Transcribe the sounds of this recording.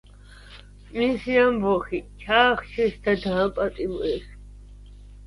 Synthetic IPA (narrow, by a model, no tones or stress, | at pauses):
misiambɔχit͡ʃʰaːχt͡ʃʰɛsd̪ad̪ãpʼat̪ʼimɔɛs